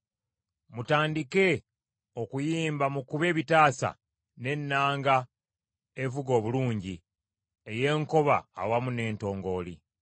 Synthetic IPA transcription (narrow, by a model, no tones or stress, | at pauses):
mutaːndike̞ | o̞kujiːmbamukuβe̞ːβitaːsa̰ | ne̞nːaːŋɡa | evuɡo̞ːβuluːɲɟi | eje̞ŋko̞βa̰ːwamune̞ːnto̞ːŋɡo̞ːli